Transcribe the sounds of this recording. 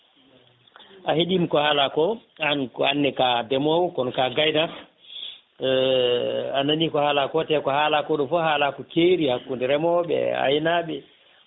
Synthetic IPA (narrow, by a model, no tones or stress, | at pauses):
ʔaheɗimkɔhalakɔankanːɛkadɛmɔwkɔnɔkaɡajna | ananikɔhalakɔtɛkɔhaːlakɔɗɔfɔhaːlakɔkeɾihakːundiɾɛmɔɓɛ̰a̰jnaɓɛ